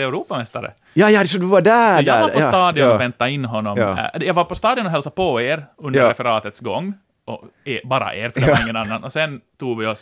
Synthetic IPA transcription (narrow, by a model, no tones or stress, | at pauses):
ɛʉɾuːpamɛst̪aɾə̰ | jɑːjɑd̪sɔd̪ʉvɑɖæjɑːaɔst̪ɑːd̪ɪɔnɔvɛnt̪ːaɪnːɦɔnːɔmd̪jɑːɡʋaɾpɔst̪ɑːd̪ɪʊnɔɦɛlsapɔeːɾɵnd̪əɾɾɛfɛɾɑːt̪ət̪sɡɔŋː | ʔɔ̰ebɑːɾa̰ʔeːɾfɾɪŋːənanːanɔsɛnt̪uːɡʋɪɔs